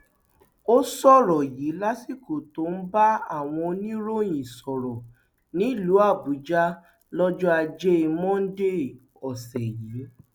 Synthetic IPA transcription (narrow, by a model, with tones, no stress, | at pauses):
o˦sɔ˦˨ɾɔ˨ji˨˦la˦si˦˨ko˨to˨˦n̩˦ba˦a˦˨w̃ɔ̃˧o˧nĩ˦ɾo˦˨j̃ĩ˨sɔ˨ɾɔ˨ | nĩ˨˦i˦˨lu˨˦a˦˨bu˨˦d͡ʒa˦ | lɔ˦d͡ʒɔ˦a˧d͡ʒe˦i˧mɔ̃˦n̩˦de˦˨ | ɔ˨sɛ˨ji˨˦